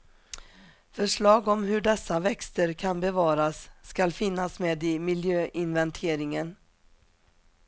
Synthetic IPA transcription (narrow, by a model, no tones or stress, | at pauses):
fœʂɭɑːɡɔmɦɵɖɛsːavɛkst̪əɾkʰanbɛvɑːɾasːkalfɪnːasmeːd̪ɪmɪljøːʔɪnvɛnt̪ʰeːɾɪŋən